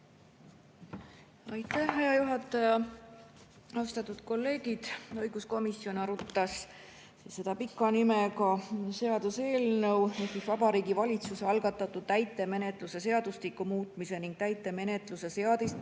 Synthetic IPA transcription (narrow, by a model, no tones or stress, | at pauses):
ɑjt̪ːˑæhːejɑjuɦɑt̪ːˑɑjɑ | ɑst̪ɑt̪ːˑud̪̥ko̞lːe̞ːɡ̥id̪̥ɤjɡ̥usko̞misjo̞nɑɾut̪ːɑs | sisse̞d̪̥ɑpikːˑɑnimekɑse̞ɑd̪̥use̞ːlnɤwneht̪ːisvɑbɑɾiːɡ̥ivɑlʲit̪suseɑlɡ̥ɑt̪ːˑɑt̪ːˑud̪̥t̪æjt̪ːˑe̞me̞net̪ˑluse̞se̞ɑd̪̥uslikːumuːt̪ˑmise̞niŋɡ̥̚t̪æjt̪ːˑe̞me̞ne̞t̪luse̞se̞ɑd̪ist̪